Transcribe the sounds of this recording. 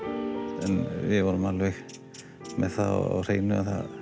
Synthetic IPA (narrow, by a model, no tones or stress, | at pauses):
ɛnvɪðvɔɾʏmalvɛx | mɛðθaɔ̰ɔ̰r̥eːjnʏaðθað